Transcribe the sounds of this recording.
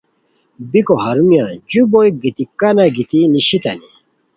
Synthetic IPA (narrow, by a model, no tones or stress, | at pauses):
bikoɦaɾumjãd͡ʑubojɡit̪ikanaɡit̪iniɕit̪ɐni